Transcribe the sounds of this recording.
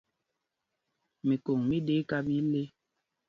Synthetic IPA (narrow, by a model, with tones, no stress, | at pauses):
mi˨ko˨ŋmi˦de˦ka˦bi˦le˦